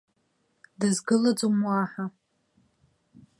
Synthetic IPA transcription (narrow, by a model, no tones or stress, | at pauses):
dɨzɡɨlad͡zumwaħa